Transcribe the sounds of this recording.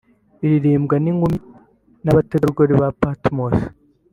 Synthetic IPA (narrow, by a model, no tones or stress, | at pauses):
iɾiɾiːmbɡaniŋɡumi | naβateɾuɡoɾiβapatmos